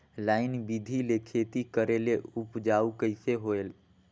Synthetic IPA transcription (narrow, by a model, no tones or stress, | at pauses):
laːɪnbid̪ʱilekʰet̪ikəɾeleʊpd͡ʒaːukəɪseɦoel